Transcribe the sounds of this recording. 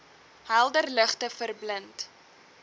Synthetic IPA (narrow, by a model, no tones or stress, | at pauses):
ɦælˠdərləχtəfərblənt